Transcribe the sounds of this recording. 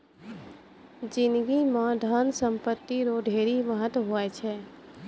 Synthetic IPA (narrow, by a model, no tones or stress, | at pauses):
d͡ʒɪ̃nd̪ɡimãɖʱansə̃mpət̪ːiɾoɖʱeːɾiməɦət̪wəɦoɛt͡ʃʰɛː